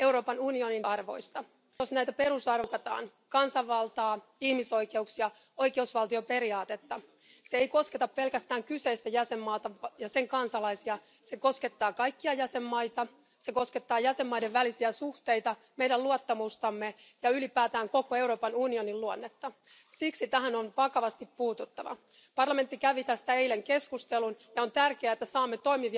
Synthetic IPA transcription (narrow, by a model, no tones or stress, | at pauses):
e̞wɾo̞ːpɑnunio̞ninɑrʋo̞̰jst̪ɑ | osnæjt̪æpe̞ɾusɑrkɑt̪ɑ̰ːn | kɑnsɑʋːɑlt̪ɑː | ihmiso̞jkeuksiɑ | o̞jkeusʋɑlt̪io̞pe̞ɾiɑːt̪et̪ːɑ | seeiko̞sket̪ɑppe̞lkæst̪æːŋkyse̞ist̪æjæsemːɑːt̪ɑjɑseŋkɑnsɑlɑisiɑ | seko̞ske̞t̪ːɑːkɑjkːiɑjæsemːɑjt̪ɑ | seko̞sket̪ːɑːjæsemːɑijde̞ʋʋælisiæsuht̪e̞jt̪ɑ | mejdæluɑt̪ːɑmust̪ɑmːejɑylipæːt̪æːŋko̞koe̞uwɾo̞ːpɑnunio̞niluonːet̪ːɑ | siksit̪æɦænonʋɑkɑʋɑst̪ippuːt̪ut̪ːɑʋɑ̰ | pɑrlɑme̞nt̪ːikæʋit̪æst̪æeileŋkeskust̪elunjɑont̪ærkeæet̪ːæsɑːmːet̪o̞jmiʋi